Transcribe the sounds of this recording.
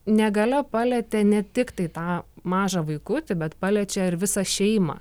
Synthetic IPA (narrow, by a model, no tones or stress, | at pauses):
nʲɛɡɐlʲɛpɑːlʲɛt̪ʲɛnʲɛt̪ʲɪkt̪ɐɪt̪ɑːmɑːʒɐʋɐɪkʊt̪ʲɪbʲɛt̪pɑːlʲɛt͡ʃʲɛɪɾʋʲɪsɑʃʲɛɪmɑ̰ː